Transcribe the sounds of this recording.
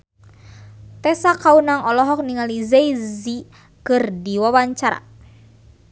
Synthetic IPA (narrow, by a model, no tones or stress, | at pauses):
t̪ɛsakaunaŋɔlɔɦɔk̚niŋalizeizi | kɨrdiwawaɲt͡ʃaɾa̰